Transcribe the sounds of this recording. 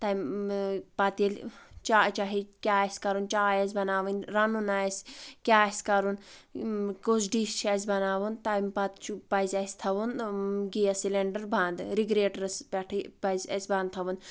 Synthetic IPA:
t̪ɐm | pɐt̪ilʲt͡ʃaːt͡ʃaɦikʲaːsʲkɐɾunt͡ʃaːjɐz̬ʲbɐnaːʋɨnɾɐnunaːsʲkʲaːsʲkɐɾun | kuzɖiːst͡ʃʰɐs̬ʲbɐnaːʋunt̪amʲpɐt̪t͡ʃʰupɐjzʲɐsʲt̪ʰɐʋunɡijɐsileɳɖɐɾbʱãːnd̪ɨɾiɡɾeːʈɾɐspʲɐʈʰibɐzʲɐ̰sʲbaːnt̪ʰɐʋun

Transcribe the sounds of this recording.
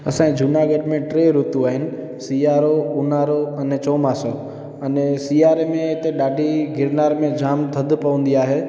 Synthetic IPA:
ɐsãːd͡ʒʱʊnaːɡəɖmẽʈɾeːɾʊt̪uaːɦɪnɪ̆ | siːaːɾoʊnaːɾoɐnet͡ʃoːmaːso | ɐnesiːaːɾemẽt̪eɗaːɖʱiɡɪɾnaːɾmẽd͡ʒaːmd̪ʰʱəd̪ʱpəʋə̃nd̪iaːɦeː

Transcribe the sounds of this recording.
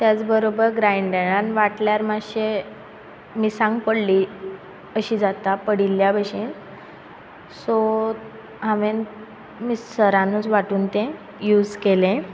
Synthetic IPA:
t̪jat͡sbəɾobəɾɡɾajɳɖeɽãnʋaʈljaɾmaɕe | misãŋɡpəɽliː | əɕiːd͡zat̪apəɽilːjabəɕẽn | so | ɦamen | missəɾanuːt͡sʋaʈuːnt̪ẽ | juːd͡zkelẽ

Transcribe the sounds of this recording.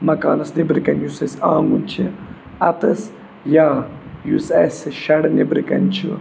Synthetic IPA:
mɐkaːnɐsnibɾikɐnjusɐsãːŋɡunʲt͡ʃʰi | ɐt̪ɐs | jaːjusɐsɨʃɐɽnibɾikɐ̰nʲt͡ʃʰi

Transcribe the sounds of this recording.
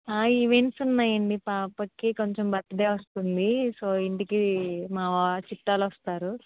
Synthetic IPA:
aːiːʋensunːaːjɐɳɖipaːpɐkːikoɲt͡ʃembɐt̪ːɐɖ̪eːʋɐst̪und̪iso̞ːiɳʈikimaːʋat͡ʃiʈːaːlʋɐst̪aːɾu

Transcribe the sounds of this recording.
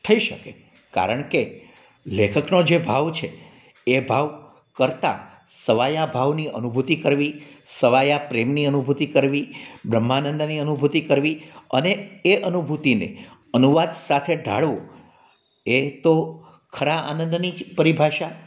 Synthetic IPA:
t̪ʰəiʃəke | ka̰ɾəɳke | lekʰəknod͡ʒebʱaʋt͡ʃʰe | ebʱaʋ | kəɾt̪a̰ | səʋajabʱaʋniʔənubʱut̪ikəɾʋisəʋajapɾemniənubʱut̪ikəɾʋibɾəmːanənd̪niənubʱut̪ikəɾʋiəneeʔənubʱut̪inḛ | ənuʋad̪sat̪ʰeɖʱa̰ɭʋõ | et̪o | kʰəɾaa̰nə̃nd̪nipəɾibʱaʃa

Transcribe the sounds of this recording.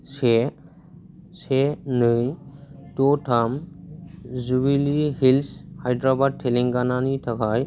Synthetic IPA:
se | senɯjtotʰam | zubilihilshajdɾabad̚tʰːeliŋɡananitʰakʰaj

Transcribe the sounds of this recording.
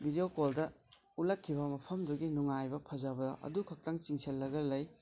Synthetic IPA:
bʱideokoldɐ | ulɐkʰːiβɐmɐpʰɐmduɡinuŋajbɐpʰɐzɐbɐdɐ̰ʔɐ̰dukʰɐk̚tɐŋt͡ʃiŋselːɐɡɐlɐj

